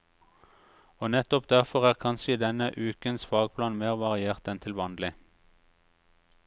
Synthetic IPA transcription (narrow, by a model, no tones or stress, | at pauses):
oːnɛt̪ɔpd̪æʁfɔʁæːʁkʰɑnʃəiːd̪ɛnəʔʉːkənsfɑːɡ̚pʰlɑːnmeːʁʋɑʁɪeːʁt̪ɛnt̪ʰɪlʋɑnlɪ